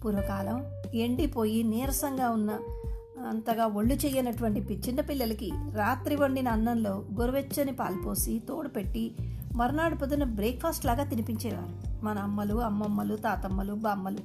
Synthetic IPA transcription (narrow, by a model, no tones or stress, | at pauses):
puːɾʋɐkaːlɐm | eɳɖipo̞ːjiniːɾɐsɐŋɡaːunːɐː | nt̪ɐɡaːʋoɭːut͡ʃeːjːenɐʈuʋɐɳʈipit͡ʃinːɐpilːɐlɐkiɾaːt̪ɾiʋɐɳɖinɐɐnːɐnlo̞ːɡoɾuʋet͡ʃːɐnipaːlpo̞ːsit̪o̞ːɽupe̞ʈːi | mɐɾunaːɽupɐd̪unɐbɾeːkpʰaːsʈlaːɡaːt̪inipiɲt͡ʃɛːʋa̰ːɾumɐnɐːmːɐluɐmːɐmːɐlut̪aːt̪ɐmːɐlubaːmːɐlu